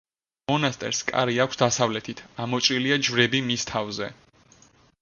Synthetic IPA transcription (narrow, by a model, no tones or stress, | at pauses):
mɔnast̪ʼɛ̰ɾskʼa̰ɾiakʷʰsd̪asavlɛt̪ʰit̪ʰamɔt͡ʃʼɾiliad͡ʒvɾɛbimist̪ʰavzɛ